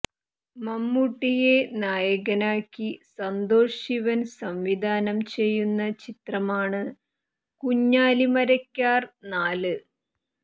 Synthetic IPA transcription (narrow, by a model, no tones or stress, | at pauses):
mɐmːuʈːije̞naːjɐɣɐnaːkːisɐnd̪oːʂiʋɐnsɐmʋid̪ʱaːnɐmt͡ɕe̞jːunːɐt͡ɕit̪rɐmaːɳɨ | kuɲːaːlimɐɾɐkʲːaːrnaːlɨ